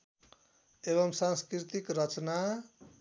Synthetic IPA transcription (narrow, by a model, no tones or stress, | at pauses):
eβʌmsãnskɾit̪ikɾʌt͡sna